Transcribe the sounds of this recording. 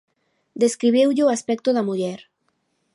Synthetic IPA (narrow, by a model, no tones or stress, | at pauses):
d̪eskɾiβewʎeoaspɛk̚t̪oðamuʎɛɾ